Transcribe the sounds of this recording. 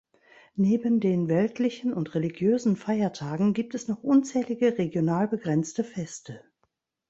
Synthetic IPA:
neːbəndeːnvɛltʰlɪçn̩ʊntʁeliɡjøːzn̩faɪɐtʰaːɡŋ̩ɡiːp̚tɛsnɔχʔʊnt͡sɛːlɪɡəʁeɡjonaːlbəɡʁɛnt͡stəfɛstə

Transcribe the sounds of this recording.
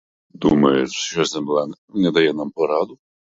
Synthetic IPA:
d̪umɛɛsɛmblan | ɲʲɛd̪ajɛnampɔɾad̪u

